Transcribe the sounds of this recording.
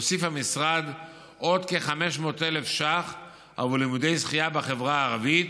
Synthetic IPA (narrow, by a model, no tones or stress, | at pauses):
osifhamisʁad̪ | ʔo̞d̪keχame̞ʃmo̞ːt̪ele̞fʃaχ | a̰vulimud̪ejsχijabaχevʁaaːʁavit̪